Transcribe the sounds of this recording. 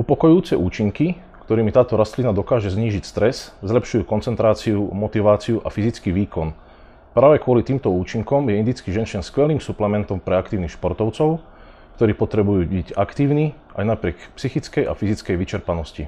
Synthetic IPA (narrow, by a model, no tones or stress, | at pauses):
upɔkɔjuːt͡sɛʔuːt͡ʃiŋki | kt̪ɔɾiːmit̪aːt̪ɔɾast̪linad̪ɔkaːʒɛzɲiːʒicst̪ɾɛszlɛpʃujuːkɔnt͡sɛnt̪ɾaːt͡siumɔt̪iʋaːt͡siuʔa̰fizit͡skiːʋiːkɔn | pɾaːʋɛkʊɔlit̪iːmt̪ɔuːt͡ʃiŋkɔmjɛind̪it͡skiʒɛnʃɛnskʋɛliːmsuplɛmɛnt̪ɔmpɾɛakt̪iːʊnixʃpɔɾt̪ɔʊt͡sɔʊ | kt̪ɔɾiːpɔt̪ɾɛbujuːbicakt̪iːʊni | ʔa̰jnapɾɪɛkpsixit͡skɛjʔa̰fizit͡skɛjʋit͡ʃɛɾpanɔsci